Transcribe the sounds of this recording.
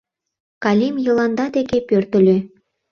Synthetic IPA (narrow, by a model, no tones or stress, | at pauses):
kɑlʲimjɤ̆lɑnd̪ɑd̪ekepørt̪ə̆lʲø